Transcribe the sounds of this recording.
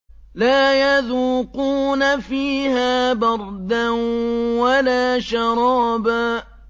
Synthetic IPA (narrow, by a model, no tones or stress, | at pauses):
laːjaðuːquːnafiːhaːbɑɾˤd̪anwalaːʃɑɾˤɑːbaː